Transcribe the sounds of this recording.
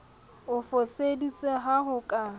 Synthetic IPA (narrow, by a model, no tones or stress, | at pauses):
ʊfosedit͡sʼeɦaɦʊkʼa